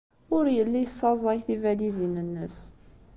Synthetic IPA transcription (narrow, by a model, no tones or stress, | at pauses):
ʊɾjəlːijsːɑzˤɑjθivælizinənːəs